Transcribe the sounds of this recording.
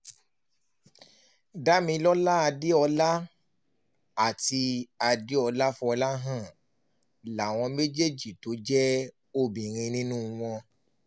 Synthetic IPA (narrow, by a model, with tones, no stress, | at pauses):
da˦mĩ˧lɔ˦la˦a˧de˦ɔ˧la˦ | a˦˨ti˧a˧de˦ɔ˧la˦fũ˦ɔ˧la˦ɦã˦˨ | la˨w̃ɔ̃˧me˦d͡ʒe˦d͡ʒi˨to˨˦d͡ʒɛ˦ | o˦bĩ˨ɾ̃ĩ˧nĩ˦nũ˦w̃ɔ̃˧